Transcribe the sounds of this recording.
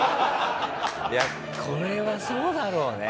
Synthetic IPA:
ja | kʰoɾeβasoːd̪aɾoːne

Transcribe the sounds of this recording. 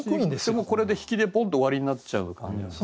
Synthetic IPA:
ĩd̪emoko̞ɾe̞d̪e̞çi̥kʲid̪e̞põnt̪oːβaɾʲiɲ̟inat͡ɕaɯ̟kã̰ni

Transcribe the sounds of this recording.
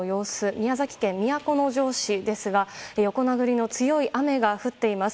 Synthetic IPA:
jo̞ːsɨmʲiazakʲi̥kẽ̞mːʲijako̞no̞ʑo̞ːɕid̪e̞sɨɡaejo̞ko̞naɡɯ̟ɾʲino̞t͡sɨjo̞iʔame̞ɡaɸɯ̟t̪ːe̞imasɨ̥

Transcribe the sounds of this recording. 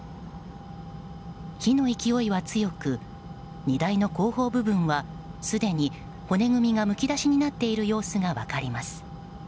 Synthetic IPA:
çino̞ikʲio̞iβat͡sɨjo̞kɯ̟ | ɲid̪aino̞ko̞ːho̞ːbɯ̟bɯ̟̃ɰ̃βa | sɨd̪e̞ɲ̟i | ho̞ne̞ɡɯ̟mʲiɡamɯ̟kʲid̪aɕiɲ̟inat̪ːe̞iɾɯ̟jo̞ːsɨŋaβa̰kaɾʲimasɨ̥

